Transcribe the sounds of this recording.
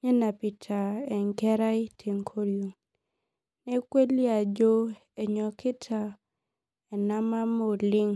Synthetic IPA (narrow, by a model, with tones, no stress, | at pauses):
ɲe˦na˨pi˨tʰa˨ɛ˨ŋkɛ˦ɾa˦i˦tʰe˨ŋkʰo˦ɾjo˨ŋ | nɛ˦kwe˦li˦a˨d͡ʒo˦ | e˨ɲɔ˨kɪ˦tʰa˨ | ɛ˨na˦ma˦mo˨lɪ˦ŋ